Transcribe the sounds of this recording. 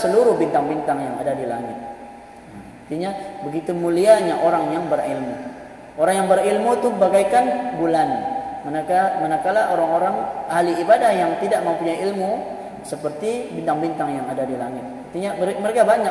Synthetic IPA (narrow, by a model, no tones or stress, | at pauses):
səluɾʊhbint̪aŋbint̪aŋjaŋa̰dadila̰ŋɪt̪̚ | a | at̪iɲabəɡit̪umuliaɲaʔoɾaŋjaŋbərilmu | ʔoɾaŋjaŋbəɾilmut̪uhbaɡajkanbulanmənakamənakalaoɾaŋoɾaŋaliːbadahjaŋt̪idaʔmaupuɲajilmu | səpərt̪ibint̪aŋbint̪aŋjaŋadadilaŋɪt̪̚ət̪iɲaməɾekabaɲa